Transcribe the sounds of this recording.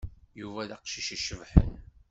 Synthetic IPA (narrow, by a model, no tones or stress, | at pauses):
juvæðæqʃiʃiʃəvħə̰n